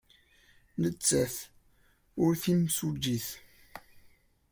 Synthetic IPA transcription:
nət͡sːæθ | ʊɾθimsud͡ʒːiθ

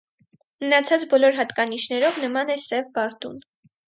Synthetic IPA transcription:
mənɑt͡sʰɑt͡sbɔlɔɾɦɑt̪kɑniʃnɛɾɔvnəmɑnɛsɛvbɑɾt̪ṵn

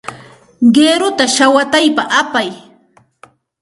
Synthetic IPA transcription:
ɢeːɾʊt̪aʃawat̪ajpaʔapaj

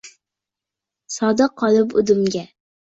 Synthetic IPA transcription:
sɒd̪aqʰɒlˠɪpʊ̰d̪ɪmɡʲa

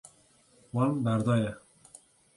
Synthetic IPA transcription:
wɑnbæɾd̪ɑːjɛ

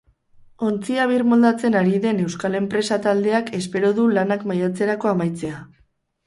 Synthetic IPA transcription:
o̞nt͡siaβ̞iɾmo̞ld̪at͡se̞naɾiðe̞ne̞wskale̞mpɾe̞sat̪ald̪e̞akʰe̞spe̞ɾo̞ðulanakmajat͡se̞ɾako̞amajt͡se̞a

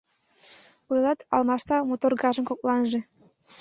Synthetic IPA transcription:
ujlɑt̪ɑ̰lmɑʃt̪ɑmot̪orɡɑʒə̆nkok̚lɑnʒĕ

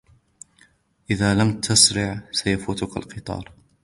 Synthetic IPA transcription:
ʔɪðaːlamt̪ʰʊsɾɪʕsajafuːt̪ʊka̰lqɨt̪ˤɑ̰ːɾˤ

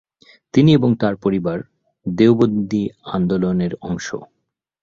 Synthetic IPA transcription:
t̪inieboŋt̪aɾpoɾibaɾ | d̪ewbod̪iand̪oloneɾɔŋʃo̰

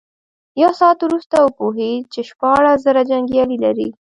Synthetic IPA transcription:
jasɑat̪wɾust̪awəpoɦet͡ʃeʃpɑɽaszəɾad͡ʒaŋɡjɑlilaɾḭ

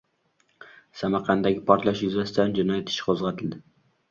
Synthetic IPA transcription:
sæmæɾqʰænd̪ɛɡʲɪpʰɒɾt̪lˠɛʃjyzɛst̪ɛnd͡ʒinɑjɛt̪ʰɪ̥ʃqʰozʁɛt̪ʰɨld̪ɪ

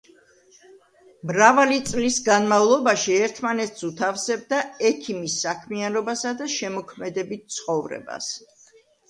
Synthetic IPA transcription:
mɾavalit̪sʼlisɡanmavlˠɔbaʃiɛɾt̪ʰmanɛt̪sut̪ʰafsɛb̚d̪aɛkʰimisːakʰmianɔbasad̪aʃɛmɔkʰmɛd̪ɛbit̪̚t̪sʰχɔvɾɛ̰ba̰s

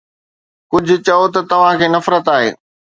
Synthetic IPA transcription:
kʊd͡ʑʱʊ̆t͡ɕɐot̪ɐt̪ɐʋ̤ãkʰeːnɐfɾət̪aːɦḛː

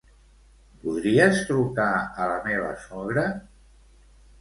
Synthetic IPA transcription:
puðɾiəst̪ɾukaələmeβə̰sɔɣɾə

